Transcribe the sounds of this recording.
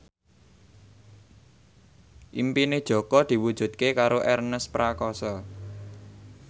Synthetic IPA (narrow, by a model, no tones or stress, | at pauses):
ʔimpined̥ʒ̥ɔ̤kɔd̪̥i̤wud̥ʒ̥ṳt̪̚kekaɾoʔɛrnəspɾakɔsɔ